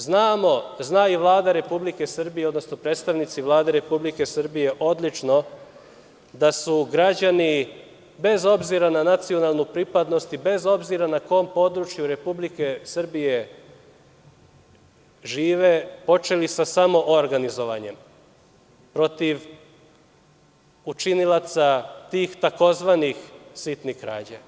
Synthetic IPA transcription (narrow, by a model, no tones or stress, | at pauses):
znaːmo̞znaːiʋlˠaːd̪aɾe̞publike̞sr̩bijeo̞d̪no̞sno̞pɾe̞ːt̪st̪aʋnit̪siʋlˠaːd̪e̞ɾe̞publike̞sɨr̩bije̞ʔo̞d̪lit͡ʃno̞ | d̪asuɡɾad͡ʑani | be̞zo̞bziɾananat̪sio̞nalˠnupɾipad̪no̞st̪ibe̞zo̞bziɾanako̞ompo̞d̪ɾut͡ʃjuɾe̞publike̞sr̩bije̞ | ʒiːʋe̞po̞t͡ʃe̞lisasamo̞ʔoɾɡanizo̞ʋa̰ɲe̞̰m | pɾo̞t̪iʋ | ut͡ʃinilat̪sat̪iːxt̪ako̞zʋaːnixsit̪nixkɾa̰ːd͡ʑa̰